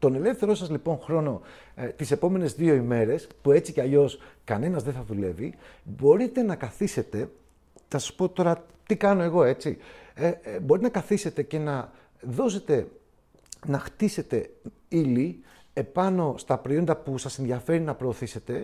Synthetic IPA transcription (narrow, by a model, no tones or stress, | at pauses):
t̪o̞ne̞le̞fθe̞ɾo̞sɐzlipo̞nxɾo̞no̞ | t̪ise̞po̞me̞ne̞zðio̞ime̞ɾe̞spue̞t͡siceɐʎo̞skɐne̞nɐzðeθɐðule̞vibo̞ɾit̪e̞nɐkɐθise̞t̪e̞ | nɐsɐ̥spo̞t̪o̞ɾɐ | t̪ikɐno̞e̞ɣo̞e̞t͡siebo̞ɾit̪enɐkɐθise̞t̪e̞ce̞nɐ | ðo̞se̞t̪e̞ | nɐxt̪ise̞t̪e̞ | ili | epɐno̞st̪ɐpɾoio̞nd̪ɐpusɐse̞nðiɐfe̞ɾinɐpɾo̞ːθise̞t̪e̞